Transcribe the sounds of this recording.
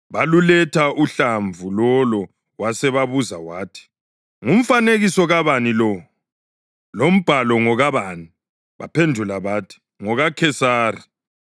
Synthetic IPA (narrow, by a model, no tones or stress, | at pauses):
βalulɛtʰaʔuɬaɱvulɔlɔ | wasɛβaβuzawaːtʰi̥ | ŋum̩faneɣisɔɣaβanilɔ | lom̩b̥ʱalɔŋɔɣaβaːni | βa̰pʰendʱulaβaːtʰi̥ | ŋɔɣakʰɛsaːri